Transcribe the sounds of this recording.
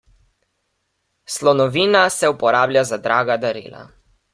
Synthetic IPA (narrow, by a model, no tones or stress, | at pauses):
slɔnɔʋiːnasɛupɔɾaːblʲjazad̪ɾaːɡad̪aɾḭːla̰